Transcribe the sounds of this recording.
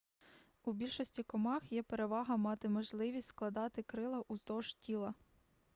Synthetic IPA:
ubʲilʲʃɔsʲtʲikɔmɑxjɛpeɾe̞ʋɑɦɐmɑt̪ɪmɔʒlˠɪʋʲistʲsklˠɐd̪ɑt̪ɪkɾɪlˠɐʔuzd̪ɔʒtʲilˠɐ

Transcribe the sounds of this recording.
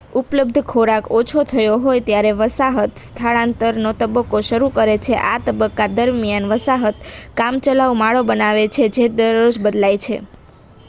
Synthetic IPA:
upləb̚d̪ʱkʰoɾakot͡ʃʰot̪ʰəjoɦojt̪jaɾeʋəsaɦət̪st̪ʰaɭãnt̪əɾnot̪əbəkːoʃəɾukəɾet͡ʃʰeʔat̪əbəkːad̪əɾmijanʋəsaɦət̪kamt͡ʃəlaʋmaɭobənaʋet͡ʃʰed͡ʒed̪əɾod͡ʒbəd̪lajt͡ʃʰḛ

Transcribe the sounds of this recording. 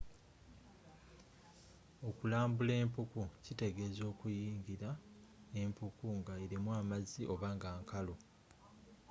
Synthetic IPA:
o̞kulaːmbule̞ːmpukucite̞ɡe̞zo̞ːkujiːŋɟiɾa | e̞mpukuŋɡaeɾimwaːmaziʔo̞βaːŋɡaːŋkalo̞

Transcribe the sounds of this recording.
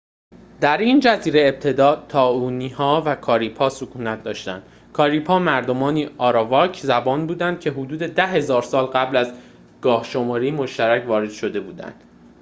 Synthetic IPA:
d̪̥æɾiːnd͡ʒæziːɾe̞eb̚t̪ʰe̞d̪ɒːt̪ʰɒːuːniːhɒːvækʰɒːɾiːpʰɒːsokʰuːnæt̪̚ʰd̪ɒːʃt̪ænd̪ | kʰɒːɾiːpʰɒːmæɾd̪o̞mɒːniːɒːɾɒvɒːcʰzæbɒːnbuːd̪ænd̪̚cʰe̞ɦod̪uːd̪e̞d̪æɦe̞zɒːɾsɒːlɢæblæz | ɡ̥ɒːhʃo̞mɒːɾiːmoʃt̪æɾæcʰvɒːɾed̪̥ʃo̞d̪e̞buːd̪æ̰nd̪̥

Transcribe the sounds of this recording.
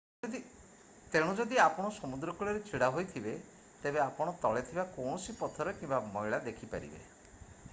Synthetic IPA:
i | t̪eɽ̃ud͡ʒɔd̪iapɔɽ̃ɔsɔmud̪ɾɔkuɭɔɾet͡ʃʰiɽaɦojt̪ʰibe | t̪ebeapɔɽ̃ɔt̪ɔɭet̪ʰibakow̃ɔsipɔt̪ʰɔɾɔkĩmbamɔjɭad̪ekʰipa̰ɾḭbḛ

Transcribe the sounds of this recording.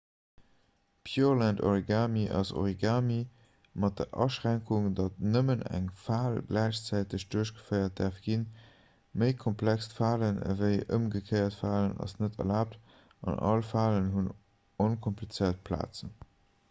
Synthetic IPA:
pʰjuːʁlænto̰ʁiɡaːmiʔɑ̰so̰ʁiɡaːmi | mɑt̚d̥əʔɑ̰ʃʁæŋkʰuŋdɑt̚nəmənæ̰ŋfaːlɡlæɪɕt͡sæɪtəɕd̥uɐɕɡ̥ə̥fəɪɐt̚d̥æɐfɡ̥in | məɪkʰɔmpʰlækstfaːlənə̰vəɪʔəmɡəkʰəɪɐtfaːlənɑ̰snətʰɐ̰laːp̚t | ɑ̰nɑ̰lfaːlənɦun | onkʰɔmplit͡səɪɐt̚pʰla̰ːt͡sən

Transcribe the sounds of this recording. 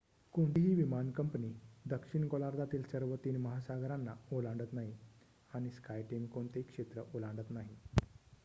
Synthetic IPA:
koɳʈɦiːʋimankəmpniːd̪əkʂiɳkolaɾd̪ʱat̪iːlsəɾʋət̪iːnməɦasaɡʱɾanːaolãɳɖət̪naɦi | aɽ̃iskajʈimkoɳt̪ekʂet̪ɾəʔolãɳɖət̪naɦi

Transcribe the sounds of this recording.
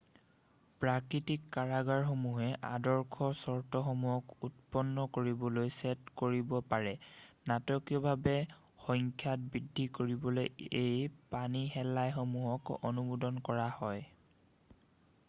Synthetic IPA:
pɹakitikːaɹaɡaɹxomuɦɛʔa̰dɔɹkʰɔsɔɹtɔxɔmuɔkutpɔnːɔkoɹibɔlojsɛtkoɹibɔpaɹɛnatɔkijɔbʱabɛ | xɔŋkʰjat̚bidʱːikoɹibɔlojejpaniɦɛlajxomuɦɔkɔ̰nubudɔnkɔɹahɔj

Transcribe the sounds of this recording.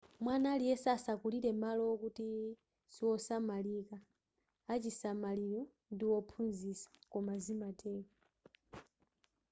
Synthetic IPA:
mwanalijɛsasakuliɾɛmalɔkuti | siwɔsamalikaː | t͡ʃisamaliɾɔ | ndiwɔpʰunzisḁkɔmazimatʰɛːka

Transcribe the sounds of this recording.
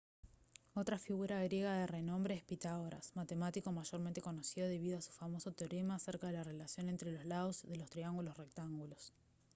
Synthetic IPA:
o̞t̪ɾafiɣuɾaɣ̞ɾje̞ɣaðere̞nõ̞mbɾeːhpit̪aoɾa̰smat̪e̞mat̪iko̞maʒo̞ɾment̪e̞ko̞no̞siðoðe̞βiðo̞asu̥famo̞so̞t̪eoɾemaseɾkaðe̞lare̞lasjo̞ne̞nt̪ɾe̞lo̞zlaðo̞zðe̞lo̞st̪ɾiaŋɡulosre̞k̚t̪aŋɡulo̞s

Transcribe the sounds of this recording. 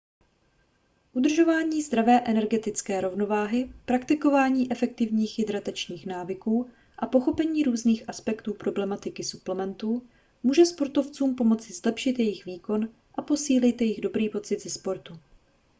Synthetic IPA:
ʔud̪r̩ʒo̞vaːɲiːzd̪ɾavɛːʔɛnɛɾɡɛt̪ɪt͡skɛːɾo̞vno̞vaːɦɪpɾakt̪ɪko̞vaːɲiːʔɛfɛk̚t̪ɪvɲiːxjɪd̪ɾat̪ɛt͡ʃɲiːxnaːvɪkuː | ʔapo̞xo̞pɛɲiːɾuːzniːxʔaspɛkt̪uːpɾo̞blɛmat̪ɪkɪsu̥plɛmɛnt̪uː | muːʒɛspo̞ɾt̪o̞ft͡suːmpo̞mo̞t͡sɪzlɛpʃɪt̪jɛjɪxviːko̞n | ʔapo̞siːlɪt̪jɛjɪɣdo̞bɾiːpo̞t͡sɪd̪zɛspo̞ɾt̪u

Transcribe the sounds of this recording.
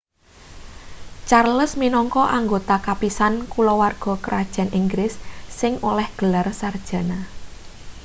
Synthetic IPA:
t͡ʃarləsminɔŋkɔʔaŋɡot̪akapisankulɔwarɡ̥ɔ̤kəɾʔad̥ʒ̥a̤niŋɡɾɪsːɪŋolɛhɡ̥ə̤larsard̥ʒ̥a̤na

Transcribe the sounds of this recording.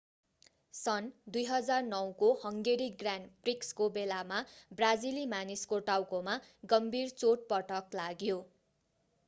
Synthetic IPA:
sʌnd̪ujɦʌd͡zarnʌwkohʌŋɡeɾiɡranprikskobelamabrad͡zilimaniskoʈawkomaɡʌmbʱirt͡soʈ̚pʌʈʰʌklaɡjo

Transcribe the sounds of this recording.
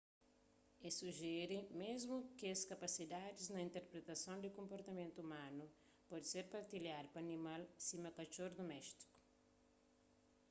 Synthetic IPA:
esuʒɛɾɪmezmʊkɪɐskɐpɐsid̪ad̪ɪznɐĩnt̪eɾpɾet̪ɐsɐ̃w̃d̪ɪkõmpoɾt̪ɐmẽnt̪uumãnu | pɔd̪seɾpɐɾt̪iljaɾpɐnimalsimɐkɐʃoɾd̪omɛʃt̪i̥ku̥

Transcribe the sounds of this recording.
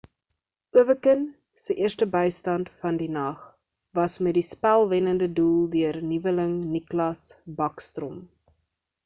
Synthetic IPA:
uəvəkən | səʔiərstəbəjstɐntfɐndinɐχ | vɐsmɛt̚dispælˠvɛnəndədulˠdøərnivələŋniklɐsbɐkstrɔm

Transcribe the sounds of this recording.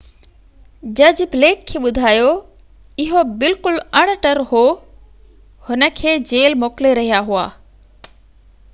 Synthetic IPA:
d͡ʑɐd͡ʑbleːkʰːeːɓʊd̪ʱaːjo | ɪɦobɪlkʊlɐɽ̃ʈəɾɦoː | hʊnə̆kʰeːd͡ʑeːlmoːkleɾɐɦijaɦua̰ː

